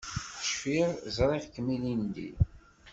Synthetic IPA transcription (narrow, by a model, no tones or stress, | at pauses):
θʃfiɾzˤɾˤeʁkːəmilind̪ḭ